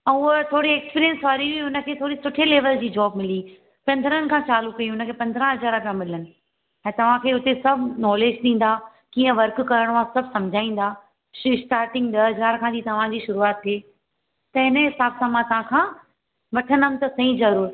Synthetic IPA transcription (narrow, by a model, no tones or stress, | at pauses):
ɛ̃ʊət̪ʰoːɽieːkspiːɾijə̃nsʋaːɾiʋiʊnə̆kʰeːt̪ʰoːɽisʊʈʰeleːʋəld͡ʑiːd͡ʑɔːbmɪli | pɐ̃nd̪əɾənɪ̆kʰãt͡ɕaːlukɐiɦʊnə̆kʰeːpɐ̃nd̪ʱɾãɦɐzaːɾapjãmɪlənɪ̆ | ɛ̃ːt̪ɐʋ̤ãkʰeːʊt̪esɐbʱnɔːleːd͡ʑɗĩːn̆d̪aː | kiːə̃ʋɐɾkkɐɾəɽ̃ãsɐbʱsɐ̃md͡ʑʱaːĩːn̆d̪aː | sʈaːɾʈɪ̃ŋɡ̚ɗ̪ɐɦɐzaːɾkʰãːd͡ʑiːt̪ɐʋ̤ãd͡ʑiːʃʊɾuaːt̪ːʰeː | t̪ɐɦɪnəɦɪsaːbsãmãt̪ɐʋ̤ãkʰãː | ʋɐʈʰənəmt̪ɐsɐĩzɐɾuːɾ